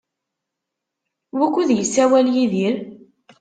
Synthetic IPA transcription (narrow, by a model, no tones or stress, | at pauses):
wækʷːuðjəsːæwæljiðiɾ